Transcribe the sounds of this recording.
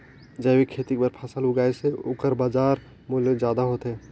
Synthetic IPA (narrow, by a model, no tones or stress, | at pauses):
d͡ʒəbikʰeːt̪ik̚bəɾpʰɐsəlʊɡaːeseʊkəɾbaːd͡ʒaːɾ | mʊlezd͡ʒjaːd̪aɦoːt̪eː